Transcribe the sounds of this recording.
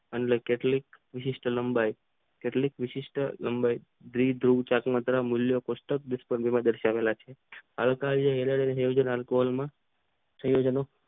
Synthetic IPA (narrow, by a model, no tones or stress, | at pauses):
ənlekeʈlik̚ʋɪʃɪʂʈʰələmbaj | keʈlikʋɪʃɪʃʈʰələmbaj | d̪ɾid̪ʱɾuɡt͡ʃakmət̪ɾamʊljokosʈək̚d̪ɪspəɳbimãd̪əɾʃaʋelat͡ʃʰeɦa̰lkald͡ʒeɦeleɽenejod͡ʒənalkoɦolmã | sə̃jod͡ʒəno